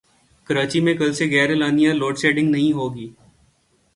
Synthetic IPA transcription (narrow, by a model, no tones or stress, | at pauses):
kəɾaːt͡ʃimẽkɐlseɡɛːɾelaːnijãloːʈseːɖɪ̃ŋɡnɐɦĩɦoːɡiː